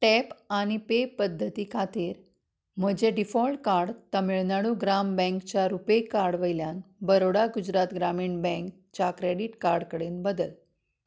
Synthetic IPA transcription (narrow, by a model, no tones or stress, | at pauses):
ʈɛpañipepəd̪ʱːət̪iːkʰat̪iːɾ | m̤əd͡ʑeɖifɔlʈkaɾɽt̪əmiɭnaɽuɡɾambɛ̃ŋkt͡ɕjaɾupejkaɾɽʋəjljanbəɾoɽaɡud͡ʑɾat̪ɡɾamiːɳbɛ̃ŋk | t͡ɕakɾeɽiʈkaɾɽkəɽenbəd̪əl